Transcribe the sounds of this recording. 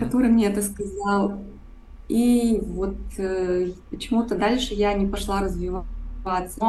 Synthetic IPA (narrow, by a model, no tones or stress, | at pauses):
kɐt̪o̞ɾɨmnʲeɛt̪əskɐzɑlˠ | ivo̞t̪̚ | pət͡ɕɪmut̪əd̪alʲʂɨjanʲɪpɐʂlˠaɾəzvʲɪvat̪sə